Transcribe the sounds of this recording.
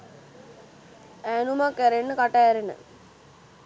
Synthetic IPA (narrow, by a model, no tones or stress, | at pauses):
ænumakːæɾenːəkaʈæːɾenə̰